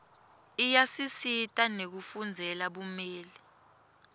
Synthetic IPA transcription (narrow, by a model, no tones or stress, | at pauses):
ijasisitʼanek̬ufund͡zʱɛlaɓumeːli